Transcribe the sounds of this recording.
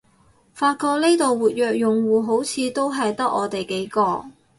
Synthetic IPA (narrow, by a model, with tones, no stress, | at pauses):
faː˧t̚kɔː˧k̚ne˥t̪o˨wwuː˨t̚jœː˨k̚jʊ˨ŋwuː˨ɦo˨˥wt͡sʰiː˨˧t̪o˥wɦɐ˨jt̪ɐ˥k̚ʔɔ̰ː˨˧t̪e˨jke˨˥jkɔː˧